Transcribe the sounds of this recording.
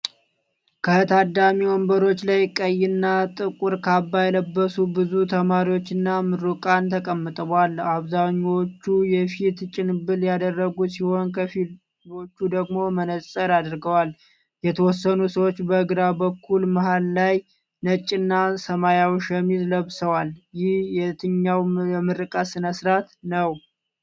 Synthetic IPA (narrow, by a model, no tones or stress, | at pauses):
kʰət̪ʰad̪amiwɔmbəɾo̞t͡ʃːlajkʼəjːɪnːat̪ʼɨkʼuɾkʰabːajɛləbːəsubɨzut̪ʰəmaɾiwot͡ʃːɨnːamɨɾukʼant̪ʰəkʼəmːɨt̪ʼəβalaβzaɲːwot͡ʃːujɛfit̪t͡ʃʼɪnbɨljad̪ərːəɡusiho̞nkʰəfi | o̞t͡ʃːud̪əɡmo̞mənəsʼəɾad̪ɾɡəwal | jɛt̪ʰəwɔsːənusəwo̞t͡ʃːbəɨɡɾabəkʰːulmahalːaj | nət͡ʃʼːɪnːasəmajawʃɛmizləβsəwaljɪhjɛt̪ʰɨɲːawɛmɨɾɨkʼasɨnəsɾat̪nəw